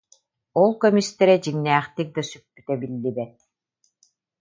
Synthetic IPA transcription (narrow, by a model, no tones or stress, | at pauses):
ɔlˠkœmist̪ɛɾɛd͡ʑiŋnæːχt̪ik̚d̪asypːyt̪ɛbilːibɛt̪̚